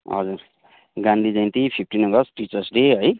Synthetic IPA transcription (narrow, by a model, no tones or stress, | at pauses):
ɦʌ̰d͡zur | ɡãnd̪ʱid͡zʌj̃nt̪ipʰipʰʈinʌɡʌsʈit͡sʌrsɖeɦʌj